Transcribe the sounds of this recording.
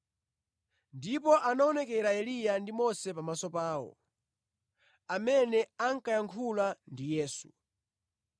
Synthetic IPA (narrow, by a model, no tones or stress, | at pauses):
ndipɔʔanaɔnɛkɛɾaɛlijandimɔsɛpamasɔpaːwɔ̰ | amɛnɛaŋ̩kajaŋkʰulandijɛːsu̥